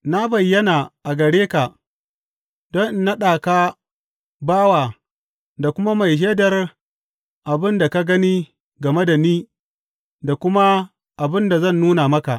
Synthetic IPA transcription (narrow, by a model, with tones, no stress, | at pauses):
na˦bɐ˨jːɐ˦na˨ʔa˨ɡɐ˨ɽeː˦ka˨ʔ | dɔ˦nʔɪ˨na˦ɗaː˨kaː˦ | baː˦waː˨ | da˨kʷʊ˦ma˦ma˨jʃ̬eː˦dɐ˨r | ʔa˨bɪ˦nda˨ka˦ɡɐ˦niː˦ | ɡɐ˨me˦da˨niː˦ | da˨kʷʊ˦ma˦ | ʔa˨bɪ˦nda˨zɐ˦˨nːuː˦na˨mɐ˦ka̰˨ʔ